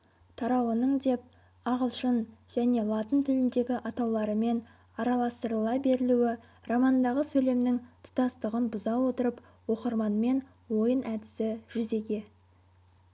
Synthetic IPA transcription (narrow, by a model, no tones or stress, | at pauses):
t̪ʰɑɾɑwənəɴd̪e̞p̚ | ɑʁəlˠʃənʒ̥æne̞lˠɑt̪ənt̪ʰɪlɪnd̪e̞ɡʲɪʔɑt̪ɑwlˠɑɾəme̞n | ɑɾɑlˠɑst̪əɾəlˠɑbe̞ɾɪluɪ | rɑmɑnd̪ɑʁəsɵjle̞mnɪŋt̪ʰʊ̥t̪ɑst̪əʁənbʊzɑwo̞t̪əɾəp | wo̞qəɾmɑnme̞n | wo̞jənʔæd̪ɪsɪʒ̥ʏze̞ɡʲe̞